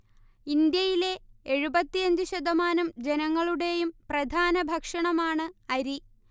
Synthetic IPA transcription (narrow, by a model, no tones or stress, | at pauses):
ind̪jɐjile̞eɻubɐt̪ːijɐɲd͡ʑɨɕɐd̪ɐmaːnɐmd͡ʑe̞nɐŋːɐɭuɽe̞jumprɐd̪ʱaːnɐbʱɐkʂɐɳɐmaːɳɨɐɾi